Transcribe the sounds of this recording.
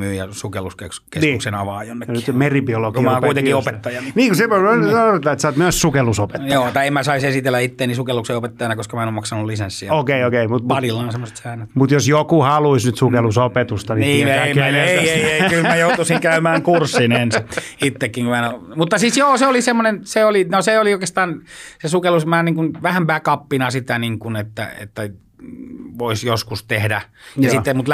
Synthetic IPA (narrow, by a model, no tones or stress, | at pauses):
myːjjɑsukelːuske | keniːuksenɑ̰ʋɑːjonːeknːyt̪meribiolokkimæoŋkuit̪ekiopet̪ːɑjɑnniːŋkusepooret̪ːɑːet̪sɑːt̪myøssukelusopet̪j̪ːoːt̪ɑiemmæsɑisesit̪elːæit̪ːeːnisukelːukseiopet̪ːɑjɑnɑkoskɑmæenomɑksɑnullisensːioːkeiokeimut̪muɑrilːɑːnsemːose̥t̪sæinæt̪mut̪josjokuhɑluisnyt̪sukelusopet̪ust̪ɑniniikːiænoeeiekylmæjout̪usiŋkæymæːŋkursːinensit̪ːekːiŋkumæno | mut̪ːɑsisjoːseolisemːonenseolinoseolioikest̪ɑːnsesukelusmæːniːŋkunʋæhæmpæːkɑpːinɑsit̪æniŋkunet̪ːæ̰ḛt̪ːæ | ʋoisjoskust̪ehdæjɑsit̪ːemut̪l